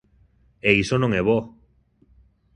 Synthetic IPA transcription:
eisonõŋeβo

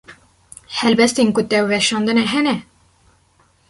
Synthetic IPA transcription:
hɛlbɛst̪enkʊt̪ɛwvɛʃɑːnd̪ɨnɛɦɛnɛ

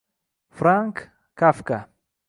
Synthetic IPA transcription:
fɾaŋkː | afka

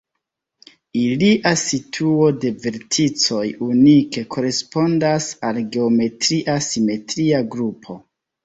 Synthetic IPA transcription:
iliʔasitʰuo̞de̞ve̞ɾtʰit͡so̞junike̞kʰo̞ɾe̞spo̞ndasalɡe̞ome̞tɾiʔasime̞tɾiaɡɾupʰo̞

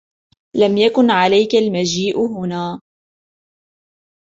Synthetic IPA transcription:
lamjakʊnʕalajkalmad͡ʒiːʔɦʊnaː

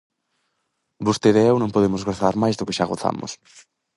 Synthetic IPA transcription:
bost̪eðeɛwnõŋpoðemʊzɣoθaɾmajzðʊkeʃaɣ̞oθa̰mʊ̰s

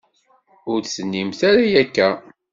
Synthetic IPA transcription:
ʊɾθsənːimθaɾajækːæ

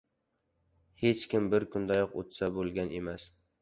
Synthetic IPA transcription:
het͡ʃkʲɪmbɪɾkʰʊnd̪ajɒqo̰t̪sabolˠɡʲane̞mas

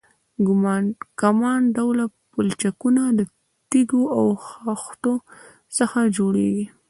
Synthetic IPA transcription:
ɡʊmɑnkamɑnɖawlapʊlt͡ʃakunad̪ə | t̪iɡoawxɑxt̪o | səxad͡ʒoɽḛɡi

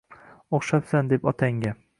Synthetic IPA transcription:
oχʃat̪sand̪e̞pɒt̪ʰaŋɡʲa

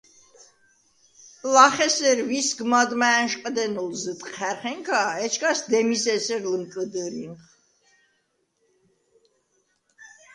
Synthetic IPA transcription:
laχɛsɛɾvisɡmad̪mæːnʃqʼd̪ɛnɔlzət̪ʼqʰæɾχɛŋkʰaɛt͡ʃʰkʰʼasd̪ɛmisɛsɛɾlmkʼəd̪əɾinχ

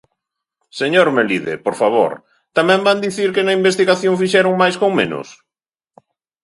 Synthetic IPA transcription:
seɲoɾmeliðḛpoɾfaβo̰ɾ | t̪amɛ̃mband̪iθiɾkɪnɐimbest̪iɣaθjoŋfiʃɛɾʊŋmajskoŋmẽnʊ̰s

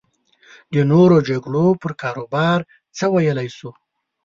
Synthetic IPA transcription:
d̪ənoɾod͡ʒaɡɽopəɾkɑɾobɑɾ | t͡səwajəlajsu

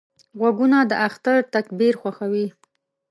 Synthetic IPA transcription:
ɣwaɡunad̪əʔaxt̪aɾt̪akbiɾxwaxawi

